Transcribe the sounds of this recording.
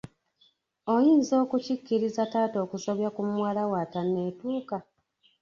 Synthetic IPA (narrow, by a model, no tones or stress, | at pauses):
o̞jiːnzo̞ːkucikːiɾizataːto̞ːkusoβjakumwaːlawaːtanːe̞ːtuːka